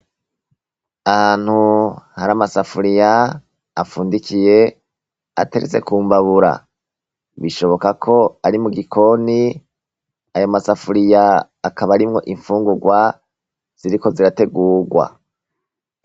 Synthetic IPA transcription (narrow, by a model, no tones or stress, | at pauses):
ahaːn̥huhaɾamasafuɾijaː | fuːndikije̞ | a̰te̞̰ɾet͡se̞̰kuːmbaβuɾa̰ | βiʃo̞βo̞kakʰo̞aɾimuɡikʰo̞ni | ajo̞masafuɾijaː | kaβaɾimŋo̞̰ʔiɱfuːŋɡuɡwa | z̥iɾiko̞ziɾate̞ɡuːɡwa̰